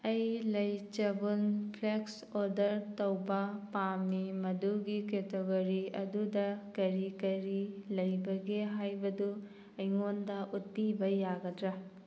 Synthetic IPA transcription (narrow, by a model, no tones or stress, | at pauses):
ɐjlɐjt͡ʃɐbunpʰleks | oɾdɐɾtɐwbɐpamimɐduɡiketeɡoɾiɐ̰dudɐkɐɾikɐɾilɐjbɐɡeɦajbɐdu | ɐjŋondɐʔutːibɐjaɡɐdɾɐ